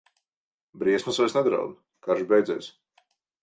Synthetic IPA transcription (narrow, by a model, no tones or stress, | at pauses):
bɾiɛsmasɔjsnɛd̪ɾa̰wd̪ | kaɾʒubɛjd̪zɛ̰ːjsʲ